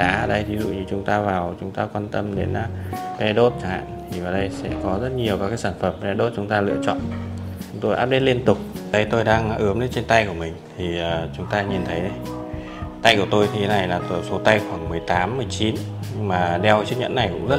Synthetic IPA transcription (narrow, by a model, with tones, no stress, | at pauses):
ɗa̰ː˨˦˨ɗə˧jvi˨˦zṵ˧˨ɲɨ˧t͡ɕʊ˨˦ŋ͡mt̪aː˧vaː˨˩wt͡ɕʊ˨˦ŋ͡mt̪aː˧kwaː˧nt̪ə˧mɗe˨˦nː˧ɓɛ˧ɗo˦˥t̚t͡ɕa˧˩ŋha̰ː˧˨nt̪ʰi˨˩vaː˨˩ɗə˧jsɛ̰˧˥kɔ˨˦zə˦˥t̚ɲi˨˩əwkaː˦˥kaː˨˦jsaː˧˩nfə˧˩mɓɛ˧ɗo˦˥t̚t͡ɕʊ˨˦ŋ͡mt̪aː˧lɨ̰˧˥ət͡ɕɔ̰˧˨n | t͡ɕʊ˨˦ŋ͡mt̪o˧jʔaː˦˥p̚ɗe˧˦˥li˧ənt̪ʊ˨˩k͡p̚ɗə˨˧˦jt̪o˧jɗaː˧ŋʔɨ˨˦əmɗe˨˦nt͡ɕe˧nt̪a˧jku˧˩əmï˨˩ŋ̟t̪ʰi˨˩əː˨˩t͡ɕʊ˨˦ŋ͡mt̪aː˧ɲi˨˩nt̪ʰə˨˦jɗə˧j | t̪a˧jku˧˩ət̪o˧jt̪ʰi˨˩e˨˦na˨˩jlaː˨˩t̪o˧˨˩so˨˦t̪a˧jxwaː˧˩ŋmɨ˨˩əjt̪aː˨˦mːɨ˨˩əjt͡ɕi˨˦n | ɲɨ˧ŋmaː˨˩ɗɛ˧wt͡ɕɨ˦˥k̚ɲə̰˧˥nːa˨˩jkʊ̰˧˥ŋ͡mzə˦˥